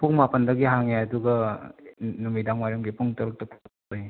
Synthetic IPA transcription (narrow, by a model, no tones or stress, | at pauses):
pʰuŋmapɐndɐɡiɦaŋeɐduɡɐ | numidaŋmaɾumɡipʰuŋtɐɾuk̚tɐk̚ | oj